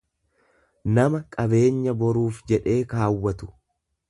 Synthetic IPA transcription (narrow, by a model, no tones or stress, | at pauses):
nɐmɐkʼɐbe̞ːɲːɐbɔɾuːfd͡ʒɛᶑe̞ːkaːwːɐt̪ʊ̥